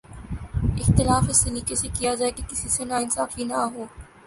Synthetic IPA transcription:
ɪxt̪ɪlaːfɪsːeliːkesekijad͡ʒaːekekɪsisenaːɪnsaːfinɐɦoː

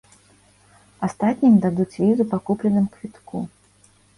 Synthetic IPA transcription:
ast̪at̪ʲnʲimd̪ad̪ut͡sʲvʲizupakuplʲɛnɨmkvʲit̪ku

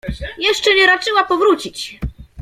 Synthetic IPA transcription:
jɛʂt͡ʂɛɲɛɾat͡ʂɘwapɔvɾut͡ɕit͡ɕ

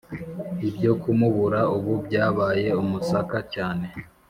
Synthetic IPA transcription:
ibɟo̞kumuβuɾauβubɟaːβaːje̞umusakacaːne̞

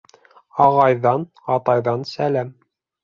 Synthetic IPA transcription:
ɑʁɑjðɑn | ɑt̪ɑjðɑnsælæm

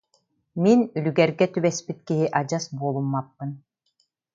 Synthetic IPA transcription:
minylyɡɛɾɡɛt̪ybɛspit̪kiɦiʔad͡ʑasbuɔlˠumːapːɯn

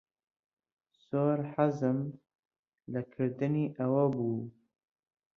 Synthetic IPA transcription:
soːɾħazɨm | lakʰɨɾd̪ɨniːʔɐwɐbuː

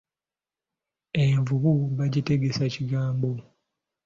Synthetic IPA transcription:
eɱvuβuβaɟite̞ɡe̞saciɡaːmbo̞

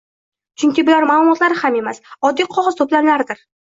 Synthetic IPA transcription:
t͡ʃʰʊŋkʲɪbʊlaɾmalˠʊmɒt̪laɾɪhame̞masɒd̪ːijqʰɒʁɨz̥t̪ʰoplanlaɾɪd̪ɪɾ

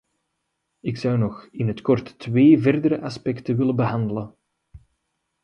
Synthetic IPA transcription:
ɪksɑwnɔxɪnɦətkɔrtːʋeːvɛrdəɾəʔɑspɛktənʋɪlənbəɦɑndələn

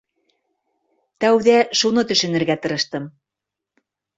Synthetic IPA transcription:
t̪æwðæʃunɤt̪ɵ̆ʃɵ̆nɘ̆ɾɡæt̪ɤ̆ɾɤ̆ʃt̪ɤm

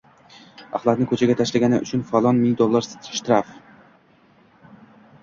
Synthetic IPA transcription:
a̰χlˠat̪nɪkʰɵt͡ʃʰaɡʲat̪ʰaʃlaɡʲanɪʊ̰t͡ʃʰʊnfalˠɒnmɪlʲd̪olˠːaɾsʃt̪ɾaf

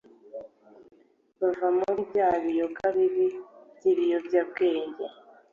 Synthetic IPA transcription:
βavamuuɾbɟaːβijokʰaβiɾiɟiβijobjab̚ɡeːɲɟa

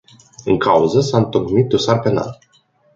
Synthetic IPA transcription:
ɨŋkʰauzəsaɨnt̪okmit̪̚d̪osarpe̞na̰l

